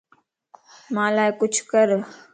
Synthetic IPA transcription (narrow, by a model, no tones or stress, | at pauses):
mãːlaːekʊt͡ʃʰkəɾ